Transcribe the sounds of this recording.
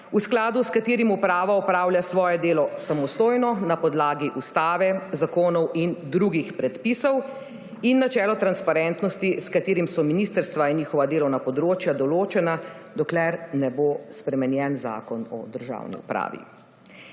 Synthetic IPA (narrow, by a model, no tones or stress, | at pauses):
usklaːd̪uskat̪eːɾimupɾaːʋaɔpɾaːwljasʋɔːjɛd̪eːlɔsamɔst̪oːjnɔnapɔd̪laːɡiʔust̪aːʋɛzakoːnɔwind̪ɾuɡixpɾɛt̪pisɔw | inːat͡ʃɛːlɔt̪ɾanspaɾɛnt̪nɔst̪iskat̪eːɾimsɔminist̪əɾst̪ʋainɲiːxɔʋad̪eːlɔwnapɔd̪ɾoːt͡ʃjad̪ɔloːt͡ʃɛnad̪ɔklɛɾnɛbospɾɛmɛnjɛnza̰ːkɔnɔ̰d̪əɾʒa̰wnḭṵpɾa̰ːʋḭ